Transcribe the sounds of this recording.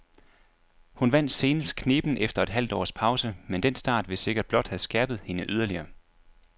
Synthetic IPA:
hunʋæn̰d̥se̝ːnəskʰne̝ːb̥n̩efd̥ɐe̝d̥ɦæl̰d̥ɒ̰ːspʰɑ̈ʊsəmend̥ensd̥ɑ̰̈ːd̥ʋe̝se̝ɡ̥ɐd̥̚b̥lɒ̽d̥hæsɡ̥æɐb̥ð̞̩ˠhe̝nəʔyð̞ˠɐliɐː

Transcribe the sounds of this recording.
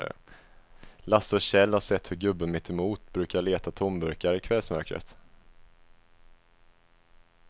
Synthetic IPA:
lasɔɕɛlːhaʂɛt̪ːhɵɾɡɵbːəmɪt̪ːɛmuːt̪bɾʉ̟ːkaɭeːt̪at̪ʰɔmbɵɾkaɾəɪkʰvɛlsmœɾkɾə̰t̪

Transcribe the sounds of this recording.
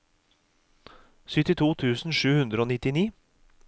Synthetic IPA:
sʏt̪ɪt̪ʰuːt̪ʰʉːsn̩ʂʉːhʉnd̪ɾəoːnɪt̪ɪniː

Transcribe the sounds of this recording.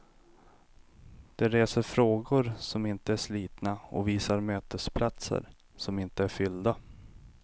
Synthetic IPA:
d̪̥ɛɾeːsəɾfɾoːɡʊɾsɔmɪnt̪əæʂliːt̪naɔ̰viːsaɾmøːt̪əspʰlat̪sə̰ɾ | sɔmɪnt̪əæɾfʏld̪a

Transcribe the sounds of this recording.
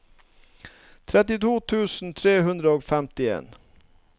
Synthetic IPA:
t̪ʰɾɛt̪ɪt̪uːt̪ʰʉːsn̩t̪ʰɾeːhʉnd̪ɾəoːfɛmt̪ɪḛːn

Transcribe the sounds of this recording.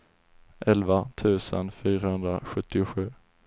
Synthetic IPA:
ʔɛlvat̪ʰʉ̟ːsə̰nfyːɾahɵnd̪ɾaɧɵt̪ːɪʊɧʉ̟ː

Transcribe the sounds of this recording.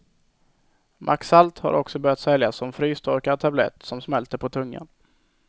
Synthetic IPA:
mʔaksalt̪ha̰ɾʔɔksɔbœɾjat̪sɛljasːɔmfɾyːst̪ʰɔɾkat̪ʰablɛ̰t̪ːsɔmsmɛlt̪əpʰɔt̪ʰɵŋːa̰n

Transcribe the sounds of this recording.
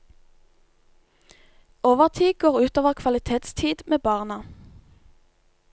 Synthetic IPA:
oːʋəʁt̪ʰiːɡoːʁʉːt̪oːʋəʁkʰʋɑlɪt̪ʰeːt̪st̪ʰiːd̪meːbɑːʁnə

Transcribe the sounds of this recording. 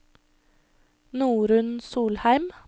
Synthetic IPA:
nuːɾʉnsuːlhæɪm

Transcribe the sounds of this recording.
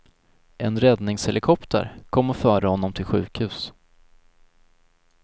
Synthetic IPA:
ʔɛnɾɛd̪nɪŋshɛlɪkʰɔpt̪ə̰ɾkʰɔmːɔfœːɾəhɔnːɔmt̪ʰɪlɧʉ̟ːkhʉ̟ːs

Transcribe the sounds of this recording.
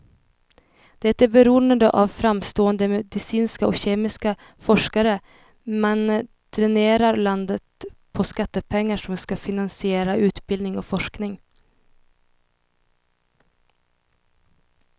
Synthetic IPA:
d̪̥ɛt̪ːæbɛɾuːnənd̪əʔavfɾamst̪oːənd̪əmɛd̪ɪsiːnskaɔɕeːmɪska | fɔʂkaɾə | mɛn | t̪ʰɾɛneːɾaɾland̪ət̪̚pʰɔskat̪ːəpʰɛŋːaʂɔmskafɪnansɪeːɾaʔʉ̟ːt̪bɪlɪŋɔfɔʂknɪŋ

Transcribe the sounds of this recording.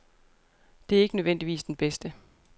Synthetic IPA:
d̥e̝æɐe̝ɡ̥ənøðˠʋen̰d̥iʋḭːsd̥enb̥esd̥ə

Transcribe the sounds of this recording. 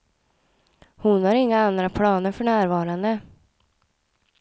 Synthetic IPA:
hʊnhaɾɪŋːaand̪ɾapʰlɑːnəɾfœɳæːɾvɑːɾand̪ə

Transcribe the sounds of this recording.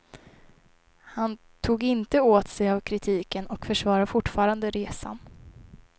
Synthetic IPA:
han | t̪ʰuːɡɪnt̪əoːt̪sɛjavkʰɾɪt̪ʰiːkənɔkfœʂvɑːɾafʊʈːfɑːɾand̪əɾeːsa̰n

